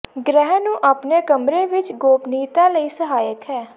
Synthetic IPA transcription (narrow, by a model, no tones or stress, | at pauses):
ɡɾɛːɦnũːʔaːpneːkəmɾẽːʋɪt͡ʃɡoːpniːt̪aːləiːsəɦaːjəkɦɛː